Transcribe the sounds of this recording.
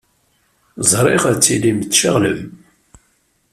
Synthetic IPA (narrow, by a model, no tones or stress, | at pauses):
zˤɾˤeʁæt͡sːilimət͡sːʃaʁlə̰m